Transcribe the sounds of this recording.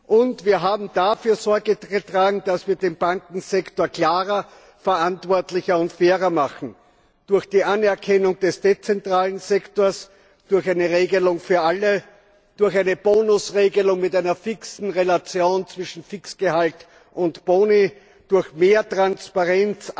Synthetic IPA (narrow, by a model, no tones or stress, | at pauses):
ʔʊntviːɐɦaːbm̩d̥afyːɐzɔɐɡəətʁ̥aːɡŋ̩d̥asv̥iːɐdeːmb̥aŋkŋ̩zɛktoːɐklaːʁɐ | fɛɐʔantv̥ɔɐtlɪçɐʊntfeːʁɐmaχn̩ | d̥ʊɐxd̥iːʔanɛɐkʰɛnʊŋd̥ɛsd̥et͡sɛntʁ̥aːlənzɛktoːɐs | d̥ʊɐxæɪnəʁeːɡəlʊŋfyːɐʔalə | d̥ʊɐxaɪnəb̥oːnʊsʁeːɡəlʊŋmɪtæɪnɐfɪksn̩ʁelat͡sjoːnt͡sv̥ɪʃn̩fɪksɡ̥əhalt | ʔʊntb̥oːni | d̥ʊɐçmeːɐtʁ̥anspaʁɛnt͡s